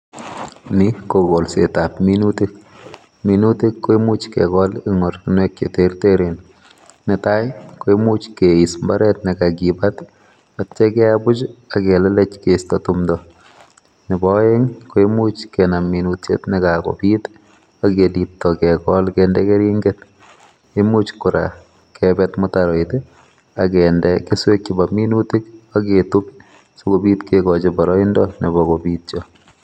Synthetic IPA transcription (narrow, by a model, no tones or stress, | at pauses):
nikokolsetapminutek | minutekːoimut͡ʃkɛkɔlɪŋoɾkinwek̚t͡ʃḛteɾteɾen | nɪtajkoimut͡ʃkeismbaɾɛtnikakibat | att͡ʃekɛabʊt͡ʃakɛlɛlɛt͡ʃkestɔtumdɔ | nɪbɔeŋkoemut͡ʃkɛnamːinutjḛtnɪkako̰pit | akelitːɔkɛkɔlkɛndɛkeɾiŋɡet | emut͡ʃkʊɾa̰ | kɛbɛtmʊtaɾɔite | akɛndɛkeswek̚t͡ʃibaminutikaketup | sokobiːtkekɔt͡ʃebaɾɔindɔnibɔkobiːtt͡ʃɔ